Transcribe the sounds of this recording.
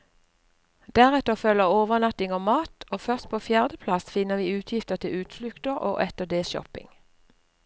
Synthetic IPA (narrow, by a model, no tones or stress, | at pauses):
d̪æːʁɛt̪əfœləʁoːʋəʁnɑt̪ɪŋoːmɑːt̪oːfœʁst̪̚pʰoːfjæːʁd̪əpʰlɑsfɪnəʁʋiːʉːt̪ʰjɪft̪əʁt̪ʰɪʉːt̪flʉkt̪əʁʔo̰ːʔɛt̪əd̪eːsʃɔ̰pɪ̰ŋ